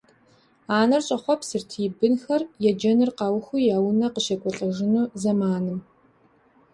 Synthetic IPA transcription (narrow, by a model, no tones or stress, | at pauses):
aːnɐrɕʼɐχʷɔpsɨrtʰiːbɨnxɐrjɛd͡ʒɐnɨrqɑːwxʷujaːwnɐqəʃɐkʷʼɔɬʼɐʒɪnuːzɐmaːnɨm